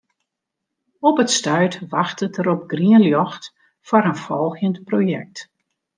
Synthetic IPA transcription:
ɔpətstœɥtʋaxtətəɾɔp̚ɡriənljɔxt | faɾənfɔlˠɣjəntprojɛ̰k̚t

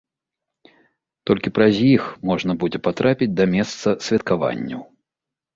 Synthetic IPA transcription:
t̪ɔlʲkʲipɾɐzʲjixmɔʐnɐbud͡zʲɛpat̪ɾapʲid͡zʲd̪ɐmʲɛst̪sɐsʲvʲɛt̪̚kava̰nʲːɐw

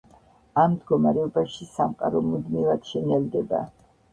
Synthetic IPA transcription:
amd̪ɡɔmaɾɛɔbaʃisamqʼa̰ɾɔmud̪mivad̪̥ʃɛnɛld̪ɛba̰

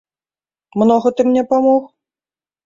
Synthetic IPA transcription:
mnɔɣɐt̪ɨmnʲɛpamɔx

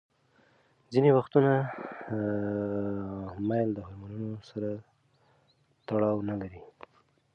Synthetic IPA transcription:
zinewaxt̪una | majld̪əhʊɾmanunosaɾa | t̪aɽɑwnalaɾi

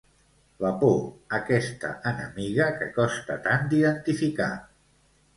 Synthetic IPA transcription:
ləpoəkɛst̪ə̰ʔənəmiɣəkəkɔst̪ə̰t̪and̪iðənt̪ifika

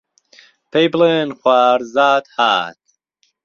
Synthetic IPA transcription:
pʰejblenxwaːɾzaːt̪ha̰ːt̪̚

